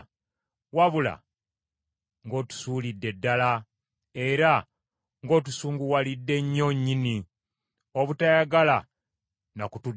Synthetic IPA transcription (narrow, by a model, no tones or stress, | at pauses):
waβula̰ | ŋɡo̞ːtu̥suːlidːe̞dːala | e̞ɾa | ŋɡo̞ːt̬usuːŋɡuwalidːe̞ɲːo̞ɲːini | oβutajaɡala | nakutu